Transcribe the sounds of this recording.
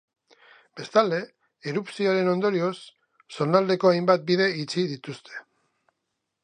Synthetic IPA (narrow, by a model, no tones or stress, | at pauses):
b̥e̞st̪ald̪e̞ː | ɾupsio̞aɾe̞no̞nd̪o̞ɾio̞sː | o̞nald̪e̞ko̞ajmbat̪̚biðe̞it͡siðit̪ust̪ʰe̞̥